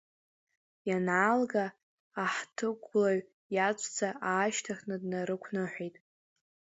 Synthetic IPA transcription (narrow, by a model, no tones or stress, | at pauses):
janaːlɡaː | ħtʰɨɡʷʼlaɥ | jat͡ʃʷʼʰt͡sʰaʔaːʃtʰaχnɨdnaɾɨkʷʰnɨħʷᶣejtʼ